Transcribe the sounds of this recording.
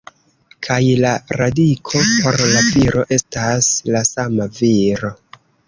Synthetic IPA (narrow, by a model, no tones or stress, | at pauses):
kʰajlaɾadikʰo̞po̞ɾlaviɾo̞ʔe̞staslasamaviɾo̞